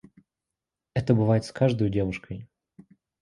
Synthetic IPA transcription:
ɛt̪əbɨvajɪt̪skaʐd̪ojdʲe̞vʊʂkəj

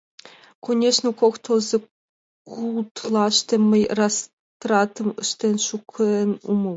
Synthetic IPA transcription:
kʰonʲeʂnŏkoxt̪ʰozɤ̆ | kkulˠt̪lˠɑʃt̪ĕmɘjrɑs | t̪rɑt̪ɤ̆məʃt̪enʃukʰnumɤ

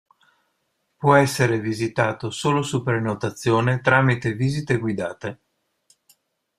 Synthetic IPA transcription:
pwɔɛsːeɾevizit̪aːt̪osoːlosupɾenot̪at̪sːjoːnet̪ɾaːmit̪eviːzit̪eɡwid̪aːt̪e

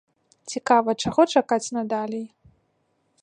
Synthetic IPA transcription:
t͡sʲikavɐt͡ʂaɣɔt͡ʂakat͡sʲnad̪alʲij

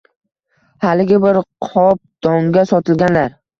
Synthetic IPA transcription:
halɪɡʲɪbɪɾqʰɒp̚d̪̥ɒŋɡʲasɒt̪ʰɪlɡʲanlaɾ

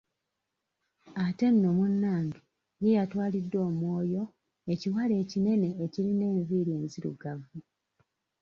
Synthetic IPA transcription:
ate̞nːo̞munːaːndu | jijatwaːlidːwo̞ːmwo̞ːjo̞ | e̞ciwale̞ːcine̞ne̞ːciline̞ːɱviːɾie̞ːnziɾṵɡavu

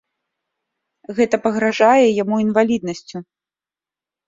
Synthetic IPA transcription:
ɣɛt̪ɐpɐɣɾaʐajɛjamuinvalʲid̪̚nɐsʲt͡sʲu

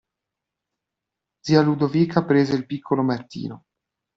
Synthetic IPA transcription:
d̪z̥iːalud̪oviːkʰapɾeːzeilpikʰːolomat̪ːḭːno

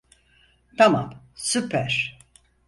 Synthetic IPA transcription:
t̪ʰama̰m | sypʰæɾ̥

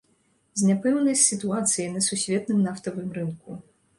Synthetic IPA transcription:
zʲnʲapɛwnɐsʲsʲɨt̪uat̪sɨjinɐsusʲvʲɛt̪̚nɨmnaft̪ɐvɨmɾɨnku

